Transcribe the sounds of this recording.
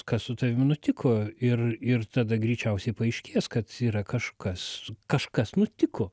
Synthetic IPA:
kɐssʊt̪ɐʋʲɪmnʊt̪ʲɪkʰoːɪrɪrt̪ɑd̪ɐɡɾʲiːt͡ʃʲɛʊsʲɛɪpɐɐɪʃʲkʲiɛskɐt̪iːɾɐkɐʃkɐskɐʃkɐsnʊt̪ʲɪkoː

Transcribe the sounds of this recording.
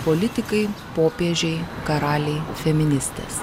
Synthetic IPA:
polʲɪt̪ʲɪkɐɪpoːpʲeɛʒʲɛɪkɐɾɑːlʲɛɪfʲɛmʲɪnʲɪsʲt̪ʲḛːs

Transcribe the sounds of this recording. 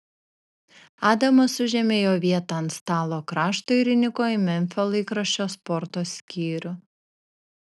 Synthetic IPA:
ɑːd̪ɐmosʊʒʲɛmʲeːjoːʋʲiɛt̪ɐɐnt̪st̪ɑːlˠoːkɾɑːʃt̪oːɪɾʲɪnʲɪkoːɪmʲɛnʲfʲolˠiːkɾɐʃʲt͡ʃʲoːspɔɾt̪oːsʲkʲiːɾʲʊ

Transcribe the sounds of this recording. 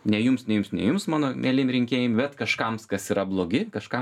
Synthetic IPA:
nʲɛjʊmsnʲɛjʊmsnʲɛ̰jʊmsmɑːnoːmʲʔɛlʲɪmɾʲɪŋʲkʲeːjɪmbʲɛt̪kɐʃkɐmskɐsiːɾɐblˠoːɡʲɪkɐʃkɐm

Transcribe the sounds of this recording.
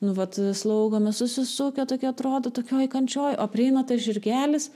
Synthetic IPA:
nʊʋɐt̪slˠɐʊɡomʲɛsʊsʲɪsuːkʲɛt̪oːkʲɪɐt̪ɾoːd̪ot̪oːkʲoːjkɐnʲt͡ʃʲoːjʔoːpʲrʲɪɛɪnɐt̪ɐʒʲɪrʲɡʲæːlʲɪs

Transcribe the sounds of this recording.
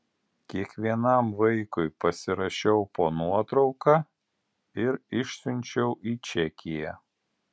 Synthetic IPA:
kʲiɛkʋʲiɛnɐˑmʋɐɪkʊɪpɐsʲɪɾɐʃʲɛʊpoːnuɔt̪ɾɒʊkɑː | ɪɾɪʃʲsʲʊnʲt͡ʃʲɛʊʔiːt͡ʃʲɛkʲɪjæ

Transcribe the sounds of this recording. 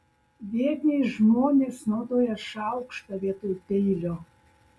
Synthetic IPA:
ʋʲeːɾʲnʲeʒmoːnʲeːsnoːd̪oːjɛʃɑʊkʃt̪ɐʋʲiɛt̪ojp̪ʲeɪlʲoː

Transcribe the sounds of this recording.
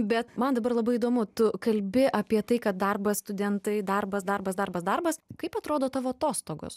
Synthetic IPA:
bʲɛt̪mɐnd̪ɐbɐrlˠɐbɐɪiːd̪oːmʊt̪ʊkɐlʲbʲɪʔɐpʲiɛt̪ɐɪkɐt̪̚d̪ɐrbɐsst̪ʊd̪ʲɛnt̪ɐɪd̪ɐrbɐsd̪ɐrbɐsd̪ɐrbɐsd̪ɐrbɐskɐɪpɐt̪ɾoːd̪oːt̪ɑːʋoːɐt̪oːst̪oːɡo̰s

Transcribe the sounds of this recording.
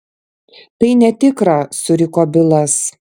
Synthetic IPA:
t̪ɐɪnʲɛt̪ʲɪkɾɐsʊɾʲɪkoːbʲɪlˠɐs

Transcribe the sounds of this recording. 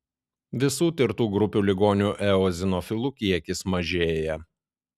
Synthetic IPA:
ʋʲɪsuːt̪ʲɪɾt̪uːɡɾʊpʲuːlʲɪɡoːnʲuʔɛɔzʲɪnɔfʲɪlˠukʲiɛkʲɪsmɐʒʲeːjɛ

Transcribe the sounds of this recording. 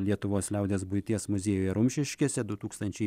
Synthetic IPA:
lʲiɛt̪ʊʋoːslʲɛʊd̪ʲeːsbʊjt̪ʲiɛsmʊzʲeːjuːjɛɾʊmʲʃʲɪʃʲkʲiɛsʲɛd̪ʊt̪uːkst̪ɐnʲt͡ʃʲɛɪ

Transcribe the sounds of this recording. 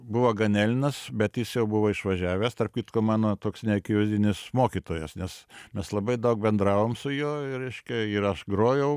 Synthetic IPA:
bʊʋoːɡɐnʲæːlʲɪnɐsbʲɛt̪jɪsjɛʊbʊʋoːɪʃʋɐʒʲæːʋʲɛːst̪ɐrp̚kʲit̪komɑːnoːt̪oːksnʲɛkʲjoːzʲɪnʲɪsmoːkʲit̪oːjɛsnʲɛsmʲɛslˠɐbɐɪd̪ɐʊk̚bʲɛnd̪ɾɑːʋoːmsʊjoːɪɾʲɛɪʃʲkʲɛɪɾɐʃɡɾoːjɛʊ

